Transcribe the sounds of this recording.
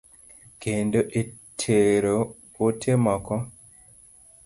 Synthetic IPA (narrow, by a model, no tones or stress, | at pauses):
kendoʔetʰeɾo | otʰemɔkɔ